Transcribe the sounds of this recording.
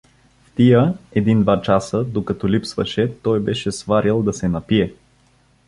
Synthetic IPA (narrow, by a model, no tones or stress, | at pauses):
ft̪ijəɛd̪ind̪vat͡ʃasəd̪okɐt̪ɔlipsvɐ̰ʃɛt̪ɔjbɛʃɛsvaɾilˠd̪ɐsɛnɐpiɛ